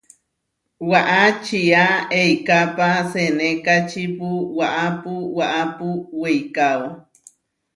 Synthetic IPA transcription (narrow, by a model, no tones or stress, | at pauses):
waʔat͡ʃiaejkapasenekat͡ʃipuwaʔapuwaʔapuwejkao